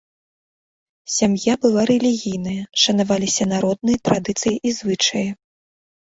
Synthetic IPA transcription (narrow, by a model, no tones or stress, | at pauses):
sʲamjabɨlˠaɾɛlʲiɣʲijnɐjɐʂɐnavalʲisʲɐnaɾɔd̪̚nɨjɐt̪ɾad̪ɨt̪sɨjiʔizvɨt͡ʂɐjɐ